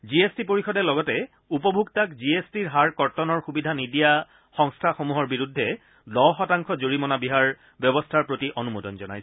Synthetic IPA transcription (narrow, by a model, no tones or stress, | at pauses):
ziestipoɹixɔdɛlɔɡɔtɛ | upɔbʱuɡtakziestiɹɦaɹkɔɹtɔnɔɹxubidʱanidija | xɔŋstʰaxomuɦɔɹbiɹudʱːɛ | lɔxɔtaŋkʰɔzoɹimɔnabiɦaɹ | bjɔbɔstʰaɹpɹotiʔonumodɔnzɔna̰js